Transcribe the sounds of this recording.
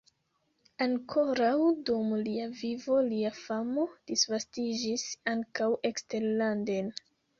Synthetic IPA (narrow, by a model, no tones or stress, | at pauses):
aŋkʰo̞ɾawdumliavivo̞liafamo̞d̥isvastid͡ʒisaŋkawʔe̞kste̞ɾlanden